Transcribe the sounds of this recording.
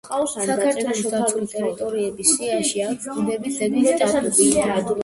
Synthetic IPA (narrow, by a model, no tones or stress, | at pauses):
qʼassakʰaɾt̪ʰwɛlˠsd̪ait̪ʼɛɾit̪ʼɔɾiɛbisiaʃiaud̪ɛbit̪sɛd̪it̪ʼatɛbia